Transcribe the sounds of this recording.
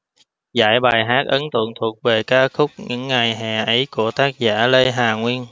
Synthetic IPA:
za̰ː˧˩jɓaː˨˩jɦaː˦˥k̚ʔə˨˦nt̪ə̰˧˨əŋt̪ʰu˨˩ək̚ve˨˩kaː˧xʊ˦˥k͡p̚ɲɨ̰˧˥ŋːa˨˩jɦɛː˨˩ʔə˨˦jku˧˩ət̪aː˦˥k̚zaː˧˥le˧jɦaː˨˩ŋwi˧ən

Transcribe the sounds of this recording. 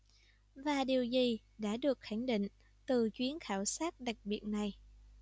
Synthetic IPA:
vaː˨˩ɗi˨˩əwzi˨˩ | ɗa̰ː˧˥ɗɨ˨˩ək̚xa˧˩ŋɗḭ˧˨ŋ̟ | t̪ɨ˨˩t͡ɕwi˨˦ənxaː˧˩wsaː˦˥t̚ɗa˨˩k̚ɓi˨˩ət̚na˨˩j

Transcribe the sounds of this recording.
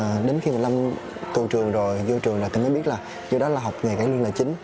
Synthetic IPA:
ɗe˨˦nxi˧maː˨˩la˧m | t̪u˨˩t͡ɕɨ˨˩əŋzo˨˩jzo˧t͡ɕɨ˨˩əŋzjt̪i˨˩mə˨˦ɓi˦˥ət̚laː˨˩ | ɲɨ˧ɗɔ˨˦laː˨˩ɦa˨˩wk͡p̚ɲaː˨˩kaː˧˩˦lɨ˧əŋla̰ː˧˩jt͡ɕï˨˦ŋ̟

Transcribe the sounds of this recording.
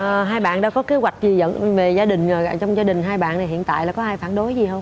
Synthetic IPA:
ʔəː˨˩ɦaː˧jɓa̰ː˧˨nɗa̰ː˧˥kɔ˨˦ke˨˦wa˨˩k̟̚zi˨˩zə̰˧˨nve˨˩zaː˧ɗï˨˩ŋə˨˩˨t͡ɕɔ˧wŋ͡mzaː˧ɗï˨˩ŋ̟ɦaː˧jɓa̰ː˧˨na˨˩jɦḭ˧˨ənt̪a̰ː˧˨jlaː˨˩kɔ˨˦ʔaː˧jfaː˧˩nɗo˨˦jzi˨˩hə˧wŋ͡m

